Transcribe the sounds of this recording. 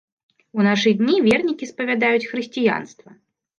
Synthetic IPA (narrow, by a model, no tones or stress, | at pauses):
unaʂɨd̪ʲnʲivʲɛrnʲikʲispɐvʲad̪ajut͡sʲxɾɨsʲt͡sʲija̰nst̪vɐ